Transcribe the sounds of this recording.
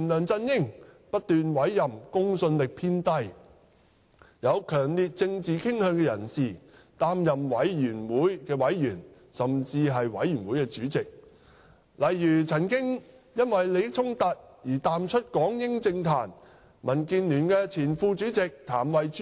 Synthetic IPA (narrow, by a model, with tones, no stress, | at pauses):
nlœː˨˩ŋt͡sɐ˧njɪ˥ŋ | pɐ˥t̚t̪yː˨nwɐ˨˥jːɐ˨mkʊ˥ŋsɵ˧nlɪ˨k̚pʰiː˥nt̪ɐ˧j | jɐ˨˧wkʰœː˨˩ŋli˨t̚t͡sɪ˧ŋt͡siː˨kʰɪ˥ŋhœː˨˧ŋkɛ˧jɐ˨˩nsiː˨t̪aː˥mjɐ˨mwɐ˨˥jjyː˨˩nwuː˨˥jkɛː˧wɐ˨˥jːyː˨˩n | sɐ˨mt͡siː˧ɦɐ˨jwɐ̰˨˥jɥyː˨˩nwuː˨˥jkɛː˧t͡syː˨˥t͡sɪ˨k̚ | lɐ˨jːyː˨˩t͡sʰɐ˨˩nkɪ˥ŋ | jɐ˥nwɐ˨jle˨˧jt͡sʰʊ˥ŋt̪ɐ˨t̚jiː˨˩t̪aː˨mt͡ʃʰɵ˥t̚kɔː˨˥ŋjɪ˥ŋt͡sɪ˧ŋt̪ʰa̰ː˨˩n | mɐ˨˩nkiː˧nlyː˨˩nkɛː˧t͡sʰiː˨˩nfuː˧t͡ʃyː˨˥t͡sɪ˨k̚t̪ʰa̰ː˨˩mwɐ˨j